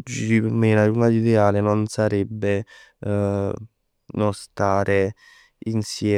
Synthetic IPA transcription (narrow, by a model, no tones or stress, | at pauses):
d͡ʒiɾimenaɾunad̪id̪eaːlenonsaɾɛbːe | nost̪aːɾe | insjɛː